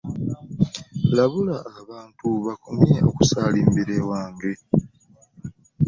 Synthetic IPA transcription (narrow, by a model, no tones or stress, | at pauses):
laβulaːβaːntuβakumeo̞̰ku̥saːliːmbiɾewaːŋɡe̞